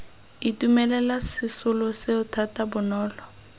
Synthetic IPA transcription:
itʼumɛlɛlasisʊlɔseʊtʰatʼabʊnɔːlɔ

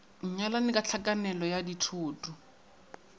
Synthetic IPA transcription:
ɲ̩ɲalanɪkʼat͡ɬʰakʼanɛlɔjaditʰuːtʼu

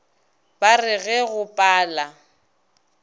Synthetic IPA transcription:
b̥arɪɣɛɣʊpʼaːla

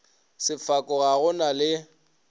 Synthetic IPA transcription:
sɪfakʼɔɣaɣʊnalɪ

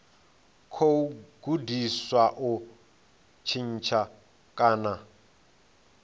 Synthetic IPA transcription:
kʰoɡ̥udiswaʔu | t͡ʃʰin̩t͡ʃʰa | kʼaːna

